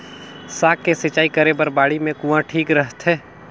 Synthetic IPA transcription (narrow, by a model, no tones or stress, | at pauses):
saːkːesɪt͡ʃːaːikəɾebɐɾbaːɽimẽkũːãʈʰiːkɾəɦt̪ɦɛː